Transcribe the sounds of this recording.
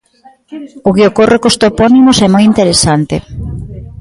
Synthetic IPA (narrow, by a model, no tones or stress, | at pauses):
ʊɣeokorekost̪opɔnimosɛmɔjint̪eɾesant̪ḛ